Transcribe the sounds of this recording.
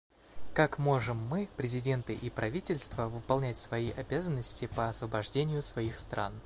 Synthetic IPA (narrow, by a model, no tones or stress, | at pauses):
kakmo̞ʐɨmːɨpɾʲɪzʲɪdʲe̞nt̪ɨʔipɾɐvʲitʲɪlʲst̪vəvɨpɐlˠnʲætʲsvɐiʔɐbʲazənːəsʲtʲɪpəɐsvəbɐʐdʲenʲɪjʊsvɐixst̪ɾʔa̰n